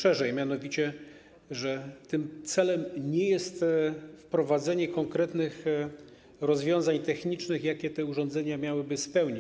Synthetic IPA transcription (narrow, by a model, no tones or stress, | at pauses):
ʂɛʐɛjmʲjanɔvʲit͡ɕɛ | ʐɛt̪ɘmt̪sɛlɛmɲɛjɛst̪fpɾɔvad̪zɛɲɛkɔŋkɾɛt̪nɘx | ɾɔzvʲjɔ̃w̃zaɲt̪ɛxɲit͡ʂnɘxjakʲɛt̪ɛuʐɔ̃nd̪zɛɲamʲjawɘbɘspɛwɲi